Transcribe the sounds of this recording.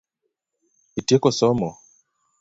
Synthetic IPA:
itiekɔsɔmɔ

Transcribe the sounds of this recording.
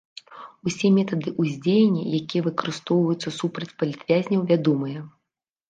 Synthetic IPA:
usʲɛmʲɛt̪ɐd̪ɨʔuzʲd͡zʲejenʲːɛ̰jakʲijɛvɨkɐɾɨst̪ɔwvɐjut̪sːɐsupɾɐt͡sʲpɐlʲit̪vʲazʲnʲɐwvʲad̪ɔmɨjɐ

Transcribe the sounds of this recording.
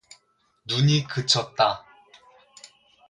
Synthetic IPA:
nuɲikɯt͡ɕʰʌt̚t͈a

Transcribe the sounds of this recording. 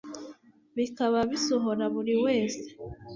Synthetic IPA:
βikaβaβisoɦo̞ɾaβuɾiwe̞ːse̥

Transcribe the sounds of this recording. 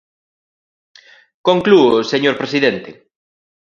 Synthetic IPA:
koŋkluʊseɲoɾpɾesiðent̪e

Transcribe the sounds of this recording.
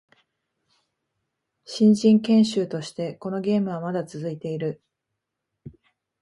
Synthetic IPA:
ɕĩɲ̟d͡ʑĩŋkẽ̞ɰ̃ɕɨːt̪o̞ɕi̥t̪e̞ko̞no̞ɡʲe̞ːmɯ̟β̞amad̪at͡sɨzɨit̪e̞iɾɯ̟

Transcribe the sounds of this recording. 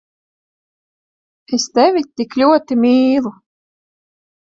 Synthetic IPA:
est̪ɛvʲit̪iklʲuɔt̪imʲiːlˠu

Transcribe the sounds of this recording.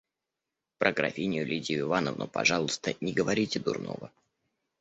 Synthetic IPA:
pɾʔəɡɾɐ̰fʲinʲɪjʊlʲidʲɪjʊɪvanəvnʊ̰pɐ̰ʐɑlˠʊst̪ənʲɪɡəvɐɾʲitʲɪd̪ʊ̰rno̞̰və

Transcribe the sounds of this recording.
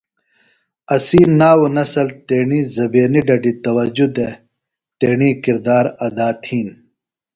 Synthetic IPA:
ɐsiːnːaːwunɐsɐlt̪eːɳiːzɐbeːniɖɐɖit̪ɐwɐd͡ʑud̪e | t̪eːɳiːkiɾd̪aːɾɐd̪aːt̪ʰiːn

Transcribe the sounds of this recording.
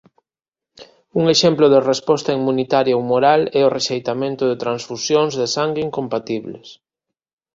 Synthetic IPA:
uŋeʃemplʊðerespɔst̪aimunit̪aɾjaumoɾalɛoreʃejt̪amẽnt̪ʊðet̪ɾansfusjoŋzðesaŋɡiŋkompat̪iβlḛs

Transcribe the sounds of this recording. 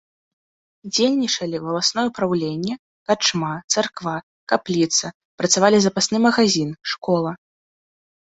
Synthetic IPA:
d͡zʲelʲnʲit͡ʂɐlʲivɐlˠasnɔjɛupɾawlʲenʲːɛ | kat͡ʂmat̪sarkva | kaplʲit̪sɐ | pɾɐt̪savalʲizɐpasnɨmɐɣazʲinʂkɔlˠɐ

